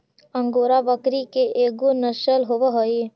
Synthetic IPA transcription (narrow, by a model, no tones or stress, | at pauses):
ə̃ŋɡoːɾabəkɾikeʔeːɡonəʃəlɦoʋəɦoe